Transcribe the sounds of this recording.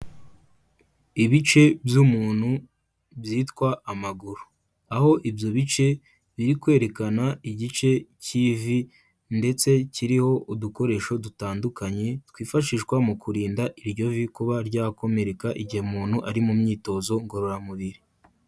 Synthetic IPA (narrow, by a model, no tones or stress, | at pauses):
iβit͡ʃe̞bjumuːn̥hu | bjiːtkwaːmaɡuɾu | aho̞ʔibjo̞βit͡ʃe̞ | βiɾikwe̞ːɾe̞kanaiɟit͡ʃe̞ciːvi | nde̞t͡se̞ciɾiho̞ʔuduko̞ɾe̞ʃo̞dutaːndukaɲe̞twiːfaʃiːʃkwamukʰuɾiːndaʔiɾɟo̞vikuβaɾɟaːko̞me̞ɾe̞kaʔiɟihemuːnhuʔaɾimumɲiːto̞zo̞ŋɡo̞ɾo̞ɾamuβiɾi